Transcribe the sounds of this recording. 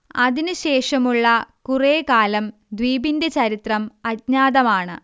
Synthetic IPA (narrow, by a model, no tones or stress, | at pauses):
ɐðinɨɕe̞ːʂɐmuɭːɐkureːkaːlɐm | d̪ʋiːbindet͡ɕɐɾit̪rɐmɐt̚ɲaːðɐmaːɳɨ̰